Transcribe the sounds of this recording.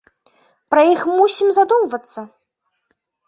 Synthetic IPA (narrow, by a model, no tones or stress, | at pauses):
pɾɐjixmusʲimzad̪umvɐt̪sːɐ